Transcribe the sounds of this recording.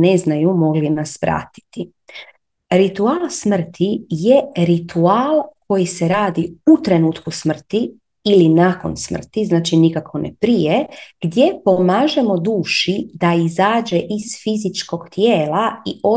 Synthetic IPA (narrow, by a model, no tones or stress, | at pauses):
neznajumo̞ɡlinasʋɾa̰t̪i̥t̪i | ɾit̪uaːlˠsmr̩t̪ʰije̞ɾit̪uaːlˠko̞jiseɾaːd̪iut̪ɾe̞nuːt̪kusmr̩t̪iː | linako̞̰nsmr̩t̪iznaːt͡ʃinikakʰo̞nḛpɾijeɡ̥d̪je̞po̞maːʒe̞mo̞d̪uːʃid̪aizaːd͡ʒeʔiz̥fizit͡ʃko̞ɡ̥t̪jeːlaiʔo̞